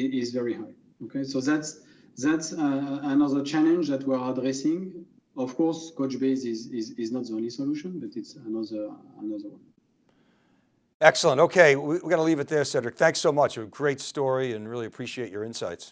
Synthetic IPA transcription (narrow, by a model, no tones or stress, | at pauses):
izvɛɹihaɪ | okʰeɪsoðæts | ðætsːnʌðə˞t͡ʃælə̃nd͡ʒðætʰwiɹadɹɛsɪ̃ŋ | ɔv̥kʰɔɹskot͡ʃbeɪzɪzɪzɪznət̚ðiõʊ̃nlisɔluʃə̃nbʌtɪtsənʌðə˞ə̰nʌðə˞wʌ̃n | ɛksl̩ˠə̃ntoʊkʰeɪwiwiɡɑɾəlivɨt̪̚ðə˞sɛdɹɨk̚θæ̃ŋksoʊmʌt͡ʃɨɡɹeɪtstɔɹiɨ̃nɹɪlˠiɨpʰɹ̥iʃieɪt͡ʃə˞ɪ̃nsa̰ɪts